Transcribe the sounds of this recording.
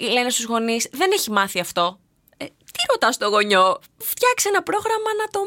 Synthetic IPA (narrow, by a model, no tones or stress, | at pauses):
ile̞ne̞st̪uzɣo̞nisðe̞ne̞çimɐθiɐft̪o̞ | e | t̪iɾo̞t̪ɐst̪oɣo̞ɲo̞ | ft̪çɐksenɐpɾo̞ɣɾɐmɐnɐt̪o̞